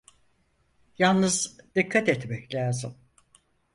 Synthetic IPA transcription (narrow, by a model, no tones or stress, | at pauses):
jalˠnɯzd̪ikʰːat̪ɛt̪mɛclʲaːzɨm